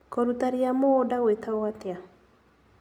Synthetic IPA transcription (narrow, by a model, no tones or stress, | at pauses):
kɔɾut̪aɾijamodawet̪awat̪ɪa